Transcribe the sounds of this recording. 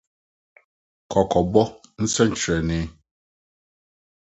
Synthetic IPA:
kɔ˨kɔ˨bɔ˦n̩˦se˦n̩˦t͡ʃe˨nɪ˦

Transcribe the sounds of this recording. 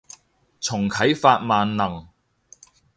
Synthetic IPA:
t͡sʰʊ˨˩ŋkʰɐ˨˥jfaː˧t̚maː˨nːɐ˨˩ŋ

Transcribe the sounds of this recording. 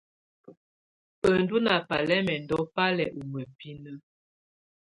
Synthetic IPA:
ə˨ndu˦na˨pa˨lɛ˦mɛ˨ndɔ˦pa˦lɛ˨ʔu˨mə˨pi˦nə˦

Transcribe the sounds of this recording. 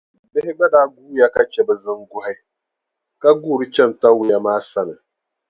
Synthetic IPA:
bɪ˦hɪ˦ɡ͡ba˦daː˦ɡuː˦ja˦ka˦t͡ʃɛ˨bɛ˨zɨ˦ŋ˦ɡʊ˦ha˦ | ka˦ɡu˦˨ɾɨ˦t͡ʃɛ˦m˨ta˦wu˨ja˦maː˦sa˦nɨ˨

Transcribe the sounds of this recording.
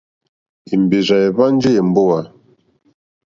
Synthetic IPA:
i˨m˨be˨za˨e˨βa˦n˦d͡ʒe˦˨m̩˨bo˦wa˨

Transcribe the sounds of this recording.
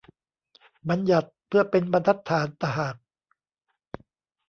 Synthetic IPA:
ba˧nja˨˩t̪̚pʰɯ˥˩ɐpe˧nba˧nt̪ʰa˦˥t̪ʰːaː˩˦nt̪a˧ɦaː˨˩k̚

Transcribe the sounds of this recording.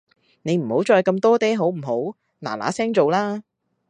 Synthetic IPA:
ne˨˧jm̩˨˩ho˨˥wt͡ʃɔː˧jkɐ˧mt̪ɔː˥t̪ɛː˥ɦo˨˥wm̩˨˩ɦo˨˥w | na̰ː˨˩la̰ː˨˥sɛː˥ŋt͡so˨wlaː˥

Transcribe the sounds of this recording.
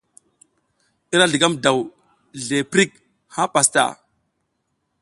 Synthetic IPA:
i˦ɾa˦ɮi˨ɡa˦mda˨w | ɮe˨pɾi˦k | ha˦pa˨sta̰˨

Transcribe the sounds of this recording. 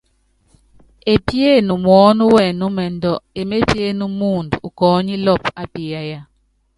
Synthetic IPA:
e˨pje˦˨nu˨mwɔ˨˦nu˦wɛ˨nu˦mɛ˨ndɔ˨e˨me˦pje˦nu˦mu˦˨ndu˨kɔː˨˦ɲi˦lɔ˦˨pa˦pi˨ja˦ja˦

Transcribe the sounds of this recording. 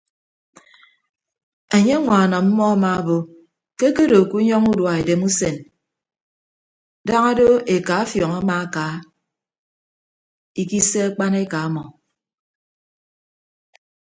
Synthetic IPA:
e˨ɲe˦ŋʷa˨na˨m̩˦mɔ˦a˦ma˨˦˨bo˨ | ke˦ke˦do˨ku˦ɲɔ˦ŋu˦dwa˨e˨de˨mu˦se˨n | da˦ŋa˦do˦e˨ka˨˦fjɔ˨ŋa˦ma˨a˦ka˨˦ | i˦ki˦se˦a˦k͡pa˦ne˦ka˨a˦mɔ˨

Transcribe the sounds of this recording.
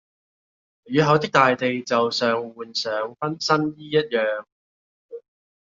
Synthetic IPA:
jyː˨˧ɦɐ˨˧wt̪ɪ˥k̚t̪aː˨jt̪e˨jt͡sɐ˨wsœː˨ŋwuː˨˩nsœː˨˥ŋfɐ˥nsɐ˥njiː˥jɐ˥t̚jœː˨ŋ

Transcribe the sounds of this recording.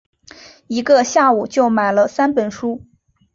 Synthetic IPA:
i˧˥ɡə˧ɕja˥˩u˨˩t͡ɕjo˥˩ʊma˨˩ɪlə˦sa˥npə˨˩nʂu˥

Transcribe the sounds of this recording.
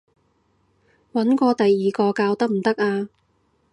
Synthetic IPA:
wɐ˨˥nkʷɔː˧t̪ɐ˨jːiː˨kɔː˧kaː˧wt̪ɐ˥k̚m̩˨˩t̪ɐ˥k̚aː˧

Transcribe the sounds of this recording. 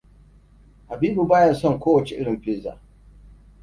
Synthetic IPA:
ha˨biː˦bu˨baː˦jɐ˨nsɔ˦˨ŋkʷoː˦wɐ˨t͡ʃe˨ʔɪ˦ɽɪ˨ɸeː˦za̰ː˨

